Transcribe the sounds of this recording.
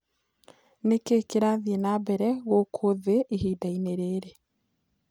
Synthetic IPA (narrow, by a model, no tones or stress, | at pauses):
nekekeɾaðienaːbɛɾɛɣokʰoðeʔihiːdaineɾeːɾe